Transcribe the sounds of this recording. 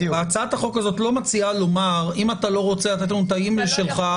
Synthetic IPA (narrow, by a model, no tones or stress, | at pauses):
at͡saat̪aχo̞kazo̞t̪lo̞mat͡sialo̞maʁimat̪alo̞ʁo̞t͡seat̪at̪nunt̪aimlʃelχa